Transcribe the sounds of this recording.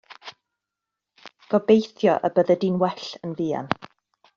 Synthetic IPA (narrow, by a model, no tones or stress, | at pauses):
ɡ̥ɔbejθjɔʔə̰bəðədinwɛɬənviːa̰n